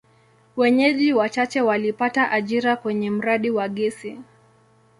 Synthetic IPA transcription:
wɛɲɛʄiwat͡ʃat͡ʃɛwalipataʔaʄiɾakwɛɲɛm̩ɾaɗiwaɠɛsi

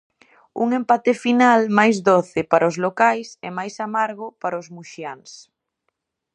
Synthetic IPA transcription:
ṵŋempat̪ɪfinalmajzðoθɪpaɾaʊzlokajsɛmajsamaɾɣopaɾaozmuʃjaŋs

